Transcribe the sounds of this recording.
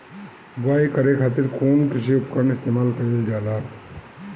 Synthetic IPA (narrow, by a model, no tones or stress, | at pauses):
baːikəɾekʰaːt̪ɪɾkoːnkɪsiʊpkəɾəɳɪst̪eːmaːlkɐild͡ʒaːlaː